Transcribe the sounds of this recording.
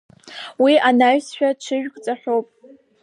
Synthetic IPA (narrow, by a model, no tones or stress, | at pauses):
wiʔanaɥsʃᶣaʈ͡ʂʰɨʒᶣkʼt͡sʼaħʷᶣowpʼ